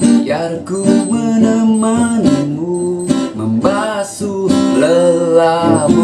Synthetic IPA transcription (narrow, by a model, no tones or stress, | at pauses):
jarkumənəmanmuməmbasuləla